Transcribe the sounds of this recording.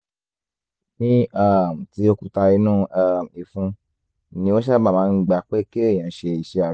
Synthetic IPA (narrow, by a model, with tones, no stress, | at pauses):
nĩ˦a˦˨mũ˨ti˨˦o˦ku˦ta˧i˨˦nũː˦a˧i˨fũ˧˨ | nĩ˧˦wo˦ʃa˦˨ba˦˨mãː˨˦˧ɡ͡ba˧˨k͡pe˦ki˦e˦˨j̃ã˨˧˦ʃe˧i˨ʃe˧a˨